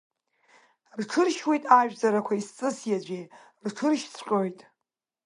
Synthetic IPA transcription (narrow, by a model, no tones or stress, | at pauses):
rʈ͡ʂʰɨrʃwijtʼaʒᶣzaɾakʷʰaist͡sʼɨsjad͡ʒʷe | rʈ͡ʂʰɨrʃsʰʷqʲʼojtʼ